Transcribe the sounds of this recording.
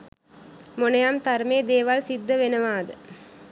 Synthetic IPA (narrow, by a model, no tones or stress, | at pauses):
mɔnɐjaːmt̪ɐɾmeːd̪eːʋaːlsɪd̪ːɐʋɛnɐʋaːd̪ɨ